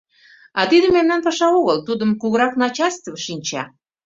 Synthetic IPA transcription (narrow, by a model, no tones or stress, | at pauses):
ɑt̪id̪ə̆mːemnænpɑʃɑoɣəlt̪ud̪əmkuɣəɾɑknɑt͡ɕɑlʲst̪əvʃinʲt͡ɕɑ̰